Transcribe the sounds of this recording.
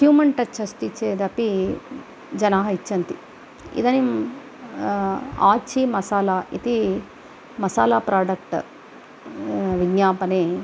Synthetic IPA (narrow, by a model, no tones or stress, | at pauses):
juːmɐɳʈɐt͡ʃʰɐst̪it͡ʃeːd̪ɐpi | d͡ʒɐnaːɦɐit͡ʃːɐnt̪i | ḭd̪ɐnim | aːt͡ʃʰimɐsaːlaːit̪i | mɐsaːlaːpɾaːɖɐk̚ʈ | ʋiɡɲaːpɐneː